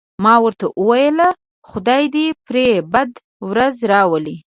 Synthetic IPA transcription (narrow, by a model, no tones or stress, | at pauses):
mɑwəɾt̪aʔəwajəla | xʊd̪ɑjd̪epɾebad̪ | wɾazɾɑwəli